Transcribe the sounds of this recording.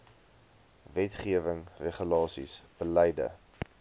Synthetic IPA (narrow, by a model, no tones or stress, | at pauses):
vɛtχiəvəŋreχəlɑːsḭsb̥əlɛjdə̰